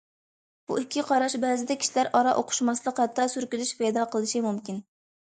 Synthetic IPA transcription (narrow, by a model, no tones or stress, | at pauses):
b̥ṵikʲʰːiqʰɑɾɑʃbɛːzɪd̪ɛkʲʰi̥ʃilæɾʔɑɾɑʔoqʰʊ̥ʃmɑslˠəqhɛt̪ʰːɑsyɾkʲylyʃpɛjd̪ɑːqʰəlˠɨʃimumkʲin